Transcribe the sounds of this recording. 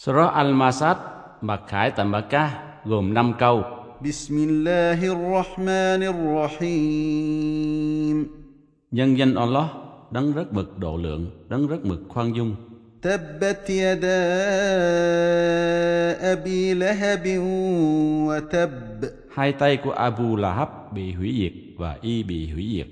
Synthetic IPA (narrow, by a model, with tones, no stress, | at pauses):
sɔ˧ɾɔ˦˥ʔa˧lmaː˧saː˦˥t̪̚ | ɓa˨˩k̚xa̰ː˨˩˦jt̪aː˨mɓa˧˩kaː˦ | ɣoː˨˩mna˧mka˧w | bismɪlːaːɦrˤːɑħmaːnarːɑħi | m | ɲə˧nzə˧nʔa˧lːɔ˦˥hɗa˨˦ŋzə˦˥t̚mɨ˨˩k̚ɗo̰˧˨˦lɨ̰˨˩˦əŋɗa˨˦ŋzə˦˥t̚mɨ˨˩k̚xwaː˧ŋzʊ˧ŋ͡m | t̪abːat̪jad̪aː | ʔabiːlaɦabɪn | wat̪abː | haː˧jt̪a˧jku˧˩˦əʔaː˧bu˧laː˧ɦa˦˥p̚ɓḭ˧˨ɦwi˨˦zi˨˩ək̚vaː˨˩ʔi˧ɓḭ˧˨ɦwḭ˨˦zḭ˨˩ək̚